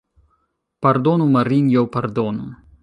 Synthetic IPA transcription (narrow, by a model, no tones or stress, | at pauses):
pɐrd̪ɔnumɐɾinjɔwpɐrd̪ɔnu